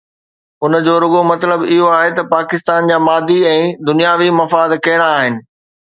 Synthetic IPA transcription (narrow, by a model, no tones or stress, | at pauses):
ʊnd͡ʑoːɾʊɡomɐt̪ləbɪɦoaːɦet̪ɐpaːkɪst̪aːnd͡ʑaːmaːd̪iɛ̃ːd̪ʊnijaːʋimɐfaːd̪kɐɦɪɽ̃aːɦɪnɪ̆